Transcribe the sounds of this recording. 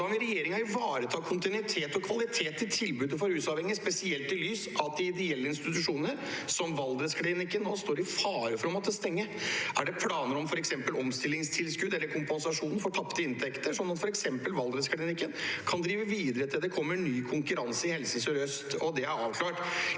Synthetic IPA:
ɑŋɪɾɛjeːɾɪŋɑɾɪʋɑːɾət̪ʰɑːkʰʊnt̪ɪnʉɪt̪ʰeːt̪ɔkʰʋɑlɪt̪ʰeːt̪ːɪlt̪ʰɪlbʉːd̪əfɔɾhʉːsɑʋhɛŋːəspɛsɪɛlt̪ɪlyːsɑt̪d̪ɪɪd̪ɛɛlːəɪnst̪ɪt̪ʉʂuːnəɾ | sɔmʋɑld̪ɾəskʰlɪnɪkːənːɔst̪oːɾɪfɑːɾəfɔɾɔmɔt̪d̪ɛst̪ɛŋːəʔæɖɛpʰlɑːnəɾɔmfɔɾɛksɛmpəlɔmst̪ɪlːɪŋst̪ʰɪlskʉd̪ɛlːəɾkʰʊmpɛnsɑʂuːnn̩fɔʈʰɑpt̪əɪnt̪ʰɛkt̪əʂɔnːɑt̪fɔɾɛksɛmpəlʋɑld̪ɾət̪skʰlɽɪnɪkːənkʰɑnd̪ɾiːʋəʋiːd̪əɾət̪ʰɪld̪ɛkʰɔmːəɳyːkʰʊŋkʉɾɑnsəɪhɛlsəsɔɾœst̪ɔd̪ɛæɾɑːʋkʰlɑːʈ

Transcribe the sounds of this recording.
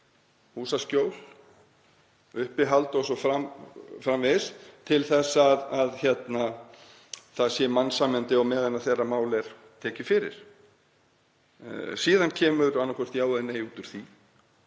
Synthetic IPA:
huːsascoːwl | ʏhpɪɦalt̪ɔsɔfɾamfɾamvɪst̪ʰɪlθɛsːaðaðçɛt̪na | θaðsjɛmanːsaːmɛnt̪ɪɔmɛːðɛnːaθɛrːamaːwlɛɾ̥ | t̪ʰɛːcɪfɪɾɪ̰ɾ̥ | siːðancʰɛːmʏɾanːakʰɔœr̥t̪jaːwðaðnejuːt̪ʏɾ̥θi

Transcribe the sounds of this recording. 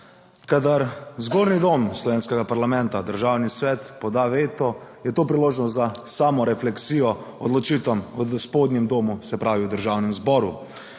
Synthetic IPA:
kad̪aɾzɡoːɾnid̪oːmslɔʋeːnskɛɡapaɾlamɛnt̪ad̪əɾʒawnisʋɛt̪pɔd̪aʋeːt̪ɔjɛt̪oːpɾiloːʒnɔst̪zasaːmɔɾɛflɛksiːjɔ | ɔd̪lɔt͡ʃiːt̪amɔspoːd̪njɛmd̪oːmusɛpɾaːʋiwd̪əɾʒawnɛmzbɔːɾṵ

